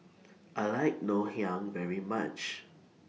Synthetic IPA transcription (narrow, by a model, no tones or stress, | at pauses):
ʔalaɪk̚nohjãŋvɛɹima̰t͡ʃ